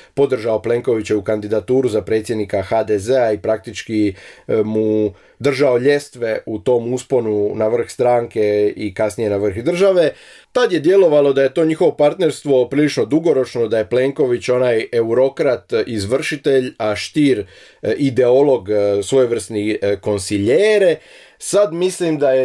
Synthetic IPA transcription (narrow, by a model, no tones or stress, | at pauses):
po̞d̪r̩ʒaople̞ŋko̞ʋit͡ɕeukand̪id̪at̪uːɾuzapɾe̞ːt̪sjed̪nikaxad̪eze̞aipɾak̚t̪it͡ʃkimu | d̪r̩ʒao̞ʎe̞st̪ʋe̞ut̪o̞muspo̞nunaʋr̩xst̪ɾaːŋke̞ikasnije̞naʋr̩xd̪r̩ʒaʋe̞ | t̪ad̪je̞d̪je̞lo̞ʋalo̞d̪aje̞t̪o̞ɲixo̞ʋo̞paɾt̪ne̞ɾst̪ʋo̞pɾilit͡ʃno̞d̪uɡo̞ɾo̞t͡ʃno̞d̪aje̞pleːŋko̞ʋit͡ɕo̞naje̞uɾo̞kɾat̪izʋr̩ʃit̪e̞ʎaʃt̪iːɾ | id̪e̞o̞lˠo̞ɡsʋo̞juʋr̩sniko̞nsiʎeːɾe | sad̪mislimd̪aje